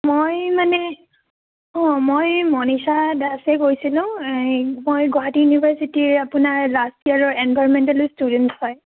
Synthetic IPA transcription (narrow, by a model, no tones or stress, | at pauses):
mojmanɛ | ɔ̃mojmɔnisadasɛkojsilʊ̃ | mojɡɔɦatijunibʱaɹsitiɹapʊnaɹlastiaɹɔɹɛnbajɹɔmɛntɛlstudɛnthɔj